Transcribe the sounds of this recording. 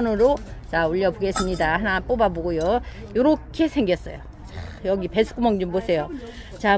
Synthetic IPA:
nɯɾot͡ɕauʎːʌboɡe̞s͈ɯmɲidahanap͈obaboɡojo | joɾʌkʰe̞sʰeŋɡjʌs͈ʌjo̰ | jʌɡipesʰɯ̥k͈umʌŋd͡ʑumbosʰe̞jo | t͡ɕa

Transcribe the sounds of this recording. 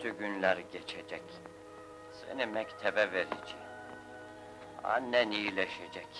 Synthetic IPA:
yɟynlʲæɾɟet͡ʃʰed͡ʒɛc | sḛnimɛct̪ʰɛbɛveɾḭd͡ʒi | a̰nɛnilʲeʃed͡ʒɛc

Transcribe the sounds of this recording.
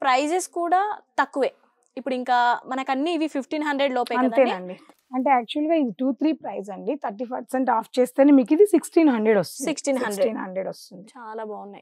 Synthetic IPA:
pɾɐjd͡ʒeskuːɽaːt̪ɐkːuʋeː | ipːuɽuiŋkaːmɐnɐkɐnːiːʋipʰipʰʈiːnɦɐɳɖɾeɖloːpɔjɐnɐnt̪aeːnɐɳɖi | ɐɳʈe̞ːaːk̚t͡ʃuɐlɡaːid̪iʈuːt̪ʰɾiːpɾɐjs̬ɐɳɖit̪ʰɐɾʈ̬iːpʰɐɾseɳʈaːpʰt͡ʃeːst̪eːnemiːkid̪isiksʈiːnɦɐɳɖɾeɽost̪unsiksʈiːɦɐnsɾʈiːnɦɐ̰ɳɖɾeɖost̪und̪it͡ʃaːlaːbaːunːaj

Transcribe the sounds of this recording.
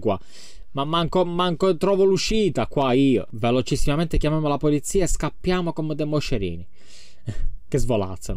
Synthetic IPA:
kwa | mamːaŋkomaŋkot̪ɾɔːvoluʃiːt̪akwaiːo̰velot͡ʃisːimament̪ekjamamolapolit̪siːaeskapːjaːmokomed̪emoʃeɾḭːni | kezvola̰t̪sːen

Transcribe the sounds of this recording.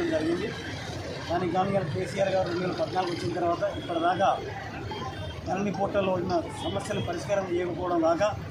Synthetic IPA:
ɐmd͡ʒɐɾiɡind̪i | k̪aːniːɡaːmjaːlkeːsijaːɾɡaːɾiɾeɳɖulɐpɐd̪naːluɡuʋɐt͡ʃːinɐt̪ɐɾuʋaːt̪ɐipːɐɽɐd̪aːkaː | nɐlɐnːipoːʈːɐlːonːɐsɐmɐsjɐlɐnipɐɾiʂkaːɾɐmt͡ʃɛjɐkɐpɔːʋɐɽɐmɡaːkaː

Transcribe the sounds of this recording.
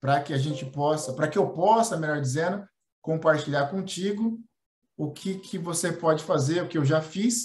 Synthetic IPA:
pɾɐkɪaʒẽnt͡ʃɪpɔsɐpɾɐkɪewpɔsɐmeʎɔɾd͡ʒizẽnʊ | kõmpaɾt͡ʃiʎaɾkõt͡ʃiɡʊ | ʊkʰɪkʰɪvosepɔd͡ʒɪfazeɾʊkɪewʒafis

